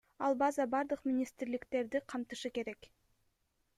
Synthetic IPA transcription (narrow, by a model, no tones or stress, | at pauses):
ɑlˠbɑzɑbɑɾd̪ɯqmʲɪnʲist̪ɾlɪkt̪e̞ɾd̪iqʰɑmt̪ɯʃɯke̞ɾe̞k